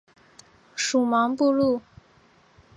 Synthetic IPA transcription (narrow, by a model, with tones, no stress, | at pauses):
ʂu˨˩mɑ˧˥ŋpu˥˧lu˥˩